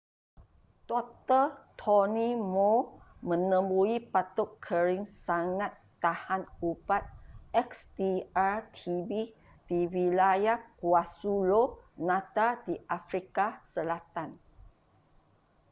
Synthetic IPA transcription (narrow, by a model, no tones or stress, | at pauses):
d̥ɔk̚t̪ət̪ʰɔnimomə̃nə̃mbuipat̪ʊkʰːəɾiŋsaŋãt̪ːahankupat̪̚ɛksdiat̪ʰibi | d̥iwilajakuasulonãt̪adiʔafɾikasəlat̪an